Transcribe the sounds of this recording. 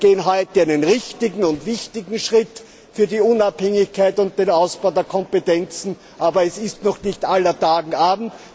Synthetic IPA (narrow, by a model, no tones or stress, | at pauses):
ɡ̥eːənɦɔʏtəaɪnənʁɪçtɪɡŋ̩ʊntv̥ɪçtɪɡŋ̩ʃʁɪt | fyːɐdiʊnaphɛŋɪçkʰaɪtʊnt̚d̥eːnaʊsb̥aʊdeːɐkʰɔmpetɛnt͡sn̩ | ʔaːbɐɛsɪstnɔχnɪçtʔalɐtaːɡŋ̩ʔaːbm̩t